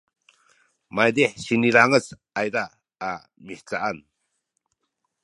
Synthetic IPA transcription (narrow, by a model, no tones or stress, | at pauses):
majd̪ehsiniɾaŋət͡s | ajdaː | miht͡saʔan